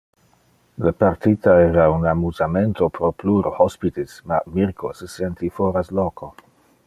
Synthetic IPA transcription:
lapaɾt̪itaeɾasunamuzamentopɾopluɾohospit̪ismamiɾkʰo̰səsentifoɾaslokʰo

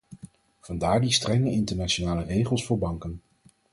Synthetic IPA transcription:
v̥ɑndaːɹdistrɛŋəɪntəɹnaʃonaːlərejχəlˠsfʊːɹbɑŋkən

